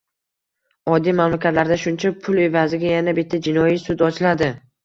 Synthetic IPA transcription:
ɒd̪ːijmamlakʲʰat̪laɾd̪aʃʊnt͡ʃʰapʰʊle̞vazɪɡʲajanabɪt̪ʰːad͡ʒɪnɒjisʊd̪ɒt͡ʃʰɪlad̪ɪ

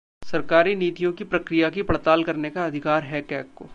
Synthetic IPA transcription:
sɐɾkaːɾiniːt̪ijõkipɾɐkɾijakipɽt̪aːlkɐɾnekaɐd̪ʱɪkaːɾɦɛkɛːkkoː

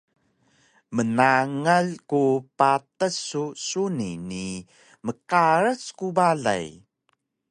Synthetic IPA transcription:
mənaŋalkupatəsːusunḭni | məkaɾəskubaɮa̰j

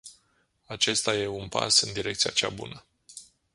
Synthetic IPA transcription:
at͡ʃe̞st̪aje̞unpa̰sɨnd̪iɾe̞k̚t̪sija̰t͡ʃa̰bṵnə

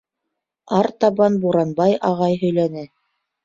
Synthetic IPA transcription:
ɑɾt̪ɑβɑnbuɾɑnbɑjɑʁɑjɦɵ̆jlænɘ

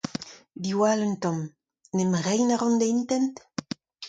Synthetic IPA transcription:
d̪iwalønt̪ɔm | nemʁɛjnaʁɔnd̪eint̪ɛnt̪

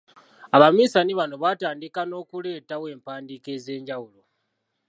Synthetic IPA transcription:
aβamiːsaniβano̞βaːtaːndikano̞ːkule̞ːtawe̞ːmpaːndike̞ːze̞ːɲɟawulo

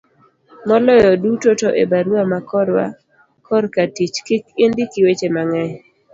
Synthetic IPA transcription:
mɔlɔjɔdutotoʔebaɾwamakɔɾwa̰ | kɔɾkatit͡ʃkɪkɪndɪkɪwet͡ʃemaŋɛɲ

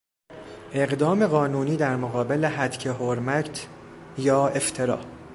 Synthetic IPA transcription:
ʔe̞ɣd̪ɒːmeɣɒːnuːniːd̪æɾmoɣɒːbe̞leɦæt̪cʰeɦoɾmækt̪ʰjɒːe̞ft̪ʰe̞ɾɒ̰ː

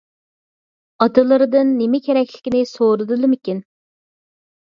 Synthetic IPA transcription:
ɑt̪ɨlˠɨɾɨd̪ɨnːemɪkʲʰeɾɛkʲlɪkʲinɪsoɾɨd̪ɨlˠɨmɪkʲin

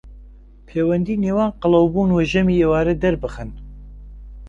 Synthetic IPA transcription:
pʰeːwɛnd̪iːneːwaːnqɨlɐwbuːnwɛʒɛmiːewaːɾɛd̪ɛɾbɨxɨn

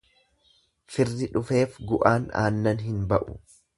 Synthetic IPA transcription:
fɪrːɪᶑʊfe̞ːfɡʊʔaːna̰ːnːɐnɦɪnbɐʔʊ̰

